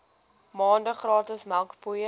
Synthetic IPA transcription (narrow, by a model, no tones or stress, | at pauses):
mɑːndəχrɑːtəsmælˠkpujə